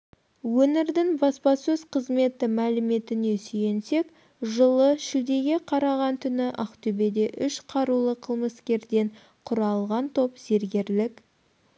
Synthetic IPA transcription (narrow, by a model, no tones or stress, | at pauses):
wɵnɪɾd̪ɪŋbɑspɑsɵzqʰəzme̞t̪ɪmælɪme̞t̪ɪne̞syje̞nse̞k | ʒəlˠəʃɪld̪e̞ɡʲe̞qʰɑɾɑʁɑnt̪ʰʏnɪʔɑqt̪ʰɵbe̞d̪e̞ʔʏʃqʰɑɾulˠəqʰəlˠməskʲe̞ɾd̪e̞ɴ | qʰʊɾɑlˠʁɑnt̪ʰo̞pz̥e̞ɾɡʲe̞ɾlɪk